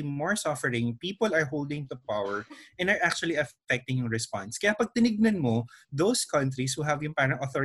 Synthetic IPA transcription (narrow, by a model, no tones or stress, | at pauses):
imɔɹsɔfɛɹɪ̃ŋpiːpɔlɐɹɦowld̪ɪ̃ŋt̪ʊpawɛɹʔɛ̃nɐɹʔak̚t͡ʃʊɐliɐfɛk̚t̪ɪ̃ŋjʊŋɹɛspã̰nskɐjapɐɡ̚t̪ɪnɪɡ̚nɐnmod̪owskɐ̃nt̪ɾishuɦɐvjʊŋpaːɾɐŋʔɔθɔ